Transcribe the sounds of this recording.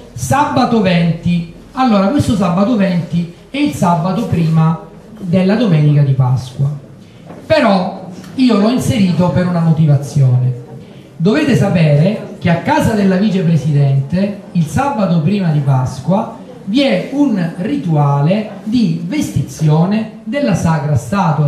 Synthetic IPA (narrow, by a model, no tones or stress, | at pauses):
sabːat̪ovɛnt̪i | alːoːɾakwest̪osabːat̪ovɛnt̪i | ɛilsabːat̪opɾiːma | d̪elːad̪omɛːnikad̪ipa̰skwa | peɾɔiːolɔinseɾiːt̪opeɾunamot̪ivat̪sːjɔːne | d̪oveːt̪esapɛːɾek̟eakːaːzad̪elːaviːt͡ʃepɾesid̪ɛnt̪eilsabːat̪opɾiːmad̪ipaskwa | viɛunrit̪uaːled̪ivest̪it̪sːjɔːne | d̪elːasaːkɾast̪aːt̪wa